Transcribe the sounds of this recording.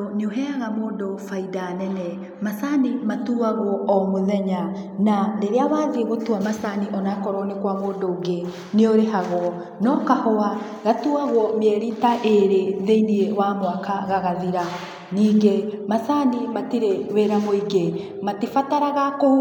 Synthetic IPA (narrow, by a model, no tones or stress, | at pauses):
neoɦɛaɣamoːndofaidanɛnɛ | masanimatuːaɣwɔɔmoðɛɲa | naɾeɾeawaːðeɣotuamasaniʔɔnakɔɾɔnekwamoːndoːɡe | neoɾeɦaɣwɔ | nɔkahɔa | ɣatuaɣwɔmɛɾiːtaʔeɾeðeiniewaːmoakaɣaɣaðiɾa | niːɡemasanimatiɾeweɾamoiɡe | matifataɾaɣako